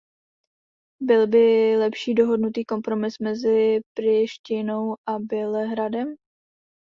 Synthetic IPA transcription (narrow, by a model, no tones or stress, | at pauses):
bɪlbɪlɛpʃiːdo̞ɦo̞dnut̪iːko̞mpɾo̞mɪsmɛzɪpɾɪʃcɪno̞wʔabɪlɛɦɾadɛm